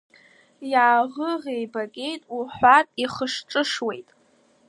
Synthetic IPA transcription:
jaːʁəʁejbakʲʼe̞jtʼuħʷarʼiχəʂʈ͡ʂʼɨʂwe̞jtʼ

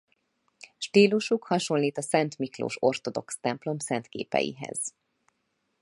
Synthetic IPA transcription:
ʃt̪iːluʃukhɒʃo̞lːiːt̪ɒsɛnt̪miklo̰ːʃo̞rt̪o̞d̪o̞kst̪ɛmplo̞msɛnt̪kḛːpɛ̰jḭɦɛ̰z̥

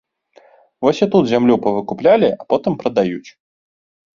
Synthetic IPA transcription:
vosʲat̪ut̪zʲamlʲupəvɨkʊplʲalʲɪʔapot̪ɨmpɾəd̪ajutʲ

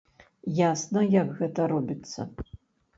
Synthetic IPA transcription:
jasnɐjakɣɛt̪ɐɾɔbʲit̪sːɐ̰

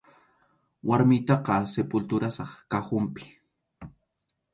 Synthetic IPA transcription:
waɾmɪjt̪ɑqɑsepʊlt̪ʊɾasɑχkahʊmpɪ̥

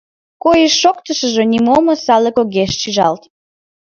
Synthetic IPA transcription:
kojəʃːokt̪əʃəʒĕnimoməsɑləkoɣeʃʃiʒɑ̰lt̪

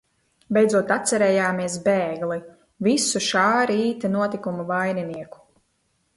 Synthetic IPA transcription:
bʲɛjdzuɔt̪at̪sɛɾɛːjaːmiɛs̬beːɡli | visuʃaːɾiiːt̪ɛnuɔt̪ikumuvajniniɛku̥

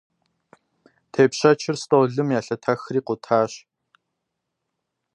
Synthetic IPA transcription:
tʰeːpɕɐt͡ʃʰɪrstʼoːɮɨmjaːɬɐtʰɐxriːqʷʊtʰaːɕ

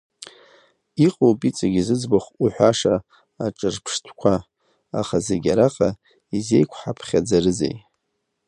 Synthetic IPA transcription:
iqʼopʼit͡sʼaɡʲizɨd͡zbaχʷuħʷᶣaʂaː | ʈ͡ʂʼɨrpʰʂtʰkʷʰa | a̰χazeɡʲaɾaqʼa | ize̞jkʷʰħapʰχʲad͡zarɨzḛj

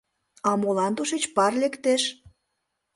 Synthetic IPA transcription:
ɑmolɑnt̪uʃet͡ɕpɑrlekt̪eʃ

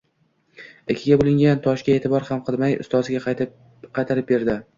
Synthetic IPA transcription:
ɪkʲʰɪɡʲabolˠɪŋɡʲant̪ʰɒʃɡʲaet̪ʰɪbɒɾhamqʰɨlˠmajʊ̰st̪ɒzɪɡʲa | qʰɑjt̪ʰaɾɪp̚be̞ɾd̪ɪ

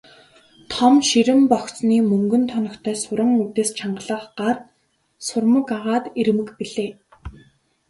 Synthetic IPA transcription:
t̪ʰɔmʃiɾɘ̆mpɔxt͡sniːmɵŋɡɵ̆nt̪ʰɔnɞ̆kt̪ʰœːsʊɾə̆ŋut̪eːst͡ɕʰaɴɢə̆ɮə̆qɢar | sʊrmə̆kaʁaːt̪iɾ̆mɘ̆kpiɮeː

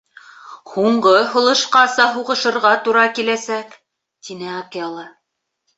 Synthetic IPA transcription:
huɴɢɤɦŏlˠɤ̆ʃqɑsɑɦuʁɤ̆ʃɤ̆ɾʁɑt̪uɾɑkilæsæk | t̪inɘɑkijɑlˠɤ

